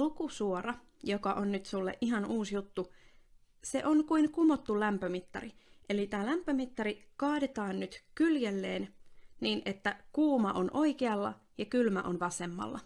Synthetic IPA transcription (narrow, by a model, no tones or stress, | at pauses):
ukusuoɾɑ | jokɑʔonnyt̪sulːḛʔiɦɑnuːsjut̪ːu | se̞̰ʔonkuinkumo̞t̪ːulæmpømit̪ːɑriʔelit̪æːlæmpːømit̪ːɑɾikɑːdet̪ɑːnnyt̪kyljelːeːnniːnʔe̞t̪ːækuːmɑʔo̞nʔo̞ikeɑlːɑ̰ | jɑkylmæ̰ʔonʋɑse̞mːɑ̰lːɑ̰